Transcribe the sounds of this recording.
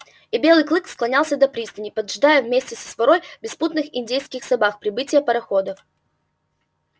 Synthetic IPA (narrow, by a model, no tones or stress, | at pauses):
ɪbʲe̞lˠɨjklˠɨksklˠɐnʲalˠsʲəd̪ɐpɾʲist̪ənʲɪpəd̪ʐd̪ajəvmʲesʲtʲɪsə̥svɐɾojbʲɪsput̪nɨxɪnʲdʲejskʲɪxsɐbaxpɾʲɪbɨtʲɪjəpəɾɐxod̪əf